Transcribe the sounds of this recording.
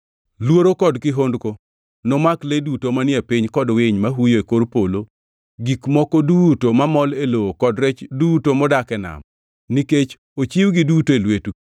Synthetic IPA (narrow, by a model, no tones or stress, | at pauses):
lwoɾokɔdkɪɦondko | nɔmakledutomanɪepiɲkɔdwɪɲmaɦujoekorpolo | ɡikmɔkɔdutomamɔlelookɔdɾɛt͡ʃdutomɔdakɛna̰m | niket͡ʃ | ot͡ʃiwɡɪdutoelwetu